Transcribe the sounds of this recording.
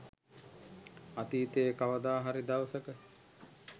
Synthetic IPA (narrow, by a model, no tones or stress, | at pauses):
at̪iːt̪eːkaʋəd̪aːɦaɾid̪awsəkə